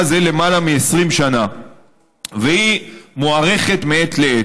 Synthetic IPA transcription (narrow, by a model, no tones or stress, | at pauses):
zele̞malamiesʁimʃana | vehimoaʁe̞χe̞t̪meet̪lee